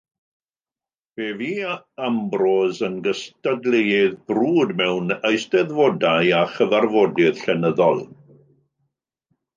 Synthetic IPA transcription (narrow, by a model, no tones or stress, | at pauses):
v̥eːviː | ambrɔzənɡəstadlˠejɪðbruːdmɛwnəjstɛðvɔdaɨaχəvarvɔdɪð̥ɬɛnəðɔlˠ